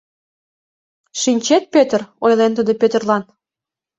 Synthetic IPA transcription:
ʃinʲt͡ɕet̪̚pøt̪ərojlent̪əd̪əpøt̪ə̆rlɑn

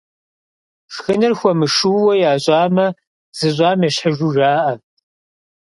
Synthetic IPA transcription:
ʂxɨnɨrxʷɔmɨʂuːwɐjaːɕʼɑːmɐ | z̥ɨɕʷʼɑːmɛɕħəʒuʒaːʔɐ

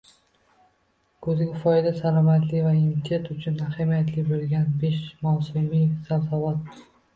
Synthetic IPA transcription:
kʰɵzɪɡʲafɒjd̪asalˠɒmat̪lɪvaɪmt̪ʰet̪ʊt͡ʃʰʊnahamijat̪ʰlɪbelɡʲanbeʃmɒwsɪmisalsavɒt̪̚

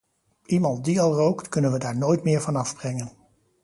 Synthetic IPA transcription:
ʔimɑntdiɑlˠrowktkɵnənʋədaːɹnoːjtmɪːɹvɑnɑvb̥rɛŋən

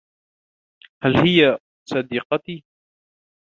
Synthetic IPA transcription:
halhɪja | sˤɑd̪ɪqɑt̪iː

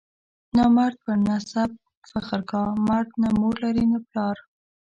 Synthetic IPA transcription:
nɑmaɾd̪̚pənasab̚ | faχəɾkɑmaɾd̪̚namoɾlaɾinaplɑɾ

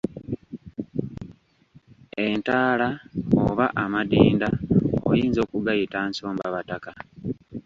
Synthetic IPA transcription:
e̞ntaːlaoβaʔamadiːndao̰jiːnzo̞ːkuɡajitanso̞ːmbaβataka

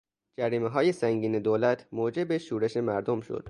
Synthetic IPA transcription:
d͡ʒæɾiːmeɦɒːje̞sæŋɟiːne̞d̪oːlæt̪ʰmoːd͡ʒe̞beʃuːɾe̞ʃe̞mæɾd̪omʃo̰d̪̥

